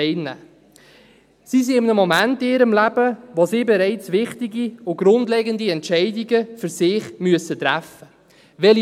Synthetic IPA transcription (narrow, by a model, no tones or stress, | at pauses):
ɛɪnːæ̰ː | sis̬iɪmnəmomæntɪnɪːɾəmlæb̥əʋosiːbɛɾɛɪt͡sʋɪχtiɡiʊɡ̥ɾʊndlɛɡəndiɛntɛɪdiɡəfʏɾsɪːχmyəsət̪ɾæfə | ʋɛl